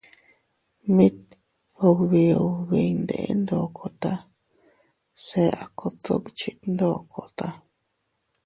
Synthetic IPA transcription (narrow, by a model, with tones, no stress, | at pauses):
mĩ˦t̪̚ | o˧kβi˧o˧βi˧nd̪ḛ˧ʔḛ˦nd̪o˧˨kʰo˨t̪a˦ | se˧a̰˨kʰo˧t͡s̪ṵ˦kt͡ʃi˧t̪nd̪o˦˨kʰo˨t̪a˧